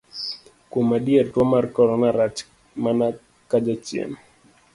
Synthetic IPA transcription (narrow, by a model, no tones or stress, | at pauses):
kumaɗiɛrtwɔmaɾkɔɾɔnaɾat͡ʃ | mana | kad͡ʒat͡ʃiɛ̰n